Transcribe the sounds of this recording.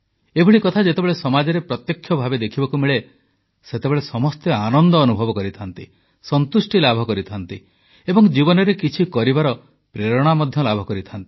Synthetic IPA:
ebʱuɭikɔt̪ʰad͡ʒet̪ebeɭesɔmad͡ʒɔɾepɾɔt̪jɔkʰːjɔbʱabed̪ekʰibɔkumiɭe | set̪ebeɭesɔmɔst̪eanɔnd̪ɔːnubʱɔbɔkɔɾit̪ʰant̪i | sɔnt̪usʈilabʱɔkɔɾit̪ʰant̪i | ebɔŋd͡ʒibɔnɔɾekit͡ʃʰikɔɾibaɾɔ | pɾeɾɔɽ̃amɔd̪ʱjɔlabʱɔkɔɾit̪ʰant̪i̥

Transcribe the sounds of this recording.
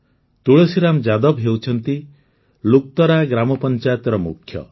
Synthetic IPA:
t̪uɭesiɾamd͡ʒad̪ɔbɦewt͡ʃʰɔnt̪i | luk̚t̪ɔɾaɡɾamɔpɔnt͡ʃajɔt̪ɾɔmṵkʰːjɔ̰

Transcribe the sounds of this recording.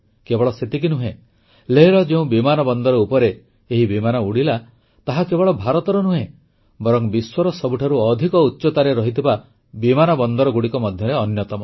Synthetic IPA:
kebɔɭɔset̪ik̬inuɦẽ | leɦiɾɔd͡ʒeũbimanɔbɔnd̪ɔɾɔupɔɾeː | ɦibimanɔuɽila | t̪aɦakebɔɭɔbʱaɾɔt̪ɔɾɔnuɦẽ | bɔɾɔŋbiswɔɾɔsɔbuʈʰaɾuɔd̪ʱikɔutːʃɔt̪aɾeɾɔɦit̪ʰiba | bimanɔbɔnd̪ɔɾɔɡuɽikɔmɔd̪ʱjɔɾeɔnjɔt̪ɔmɔ

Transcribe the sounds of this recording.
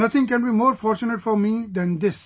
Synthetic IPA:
nʌt̪ʰɪ̃ŋkɛ̃nbiːmoːɾfɔːɾt͡ʃʊneʈfɔɾmiːd̪ɛ̃nd̪ɪs

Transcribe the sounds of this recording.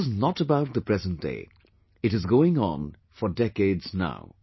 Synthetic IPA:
znətəbaʊt̪̚ðəpʰɹ̥ɛzə̃nt̚d̥ḛɪ | ɨɾɨzɡoʊɪ̃ŋə̰̃n | fədɛkeɪdz̥na̰ʊ

